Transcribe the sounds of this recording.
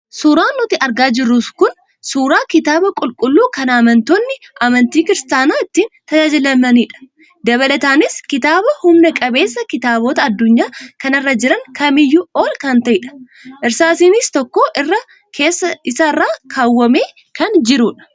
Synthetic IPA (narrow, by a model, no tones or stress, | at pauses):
suːɾaːnːʊt̪ɪʔɐɾɡaːd͡ʒɪrːuːskʊn | suːɾaːkɪt̪aːbɐkʼʊlkʼʊlːuːkɐnamɐnt̪oːnːɪ | ʔɐmɐnt̪iːkɪɾɪst̪aːnaːɪt̪ːiːnt̪ɐd͡ʒaːd͡ʒɪlɐmɐniːᶑɐ̥ | d̪ɐβɐlɐt̪aːnɪskɪt̪aːbɐhʊmnɐkʼɐbe̞ːsːɐkɪt̪aːboːt̪ɐːd̪ːʊɲːaːkɐnɐrːɐd͡ʒɪɾɐŋkɐmɪjːʊoːlkɐnt̪ɐʔɪᶑɐ̥ | ʔɪɾsaːsiːnɪst̪ɔkːoːʔɪrːɐ | kʰe̞ːsːɐɪsɐɪrːaːkʰaːwːɐme̞ː | kɐnd͡ʒɪɾuːᶑɐ̥